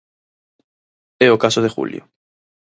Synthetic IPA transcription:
eokasoð̞exṵljo̰

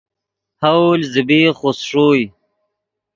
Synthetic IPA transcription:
hawlzibiχosʂuːj

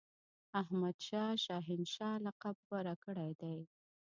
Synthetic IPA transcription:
ahmad̪ʃɑʃɑɦɪnʃɑlaqab̚waɾakəɽajd̪aj

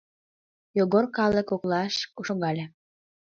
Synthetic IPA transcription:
joɣorkɑlˠə̆koklˠɑʃuʃoɡɑlʲe

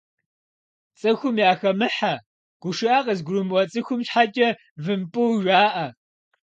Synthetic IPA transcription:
t͡sʼɨxʷʊmjaːxɐmɨħa | ɡ̥ʷʊʂɨʔaːqɐzɡʷrumwɐt͡sʼɨxʷʊmʃħat͡ʃʼɐ | vɨmpʼɨwʒʷaːʔɐ

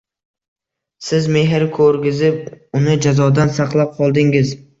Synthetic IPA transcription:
sɪzme̞ɦɪɾkʰɵɾɡʲɪzɪp̚ʊnɪd͡ʒazɒd̪ansaqlˠap̚qʰɒlˠd̪ɪŋɪz

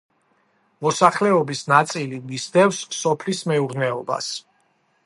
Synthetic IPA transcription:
mɔsaχlɛɔbisnat̪sʼilimisd̪ɛfsːɔpʰlismɛuɾnɛɔba̰s

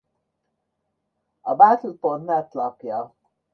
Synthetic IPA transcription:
ɒbat̪l̩port̪nɛt̪lɒkjɒ

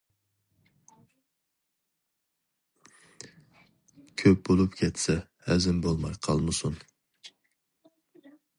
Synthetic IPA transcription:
kʲʰøp̚b̥olˠupkʲʰɛt̪sɛ | hɛzɪnbolˠmɑjqʰɑlˠmɨsun

